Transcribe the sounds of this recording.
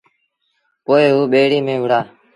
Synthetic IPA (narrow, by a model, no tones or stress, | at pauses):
poːeːɦuːɓeːɽiːmẽːʋəɽaː